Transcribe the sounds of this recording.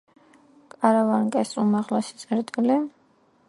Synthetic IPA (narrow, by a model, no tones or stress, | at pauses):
kʼaɾavaŋkʼɛsumaʁlɛsi̥t̪sʼɛɾt̪ʼili